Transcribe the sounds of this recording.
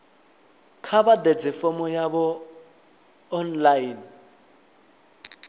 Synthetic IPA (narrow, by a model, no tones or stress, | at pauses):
kʰabaded͡zɪfɔmɔjabɔ | nlain